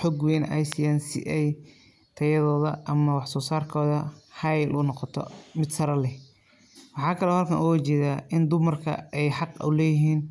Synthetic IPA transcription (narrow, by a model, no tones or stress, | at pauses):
ħɔɡwɛːnɛ̰jsiaːnsɪ̰ʔɛj | t̪ʰɐjɐðɔːðɐʔɐmɐwɑħsɔːsaːrkʰɔːðɐhɑjlʔʊnɔqɔt̪ʰɔ̰mɪd̪sɐɾɐlɛ | wɑħɑːkʰɐlɛhɐlkʰɐnʔɔwt͡ʃɛːðaːʔɪnd̪ʊmɐrkʰɐ̰ɛjħɑqʊlɛːjɪɦiːn